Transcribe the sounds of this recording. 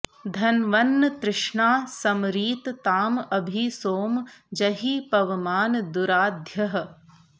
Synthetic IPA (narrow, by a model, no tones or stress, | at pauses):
d̪ʱɐnʋɐnːɐt̪ɾɪʂɳaːsɐmɾiːt̪t̪aːmɐbʱisoːmd͡ʒɐɦiːpɐʋɐmaːnd̪uɾaːd̪ʱjɐɦɐ̆